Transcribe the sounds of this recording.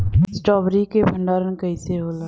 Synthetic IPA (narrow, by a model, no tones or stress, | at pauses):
sʈɔːbɾikebʱə̃ɳɖaːɾənkəiseɦoːlaː